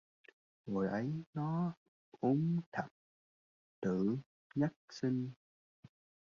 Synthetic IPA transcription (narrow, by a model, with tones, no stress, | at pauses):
ŋo˨˩jʔə˨˦jnɔ˨˦ | ʔu˨˦ŋ͡mt̪ʰə˨˩p̚ | t̪ɨ˧˩˨ | ɲə˦˥k̚si˧ŋ